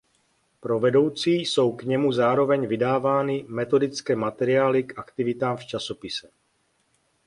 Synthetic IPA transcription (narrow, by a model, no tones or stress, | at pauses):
pɾo̞vɛdo̞wt͡siːso̞wkɲɛmuzaːɾo̞vɛɲvɪdaːvaːnɪmɛt̪o̞dɪt͡skɛːmat̪ɛɾɪaːlɪkʔakt̪ɪvɪt̪aːmft͡ʃaso̞pɪsɛ